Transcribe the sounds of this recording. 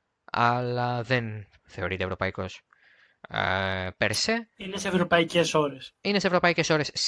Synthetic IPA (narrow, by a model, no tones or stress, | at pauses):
ɐ̰lɐðe̞n | θe̞o̞ɾit̪evɾo̞pɐiko̞s | peɾseineseevɾopɐicesoɾesinesevɾo̞pɐice̞so̞ɾe̞s